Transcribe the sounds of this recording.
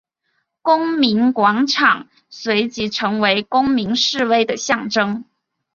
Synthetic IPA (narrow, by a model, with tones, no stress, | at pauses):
kʊ˥ŋmi˧˥nkwɑ˧˥ŋʈ͡ʂʰɑ˨˩ŋ | swe˧˥ɪt͡ɕi˧˥ʈ͡ʂʰɤ˧˥ŋwe˧˥ɪkʊ˥ŋmi˧˥ŋʂɻ̩˥˧we˥ɪd̪ə˨ɕjɑ˥˩ŋʈ͡ʂɤ˥ŋ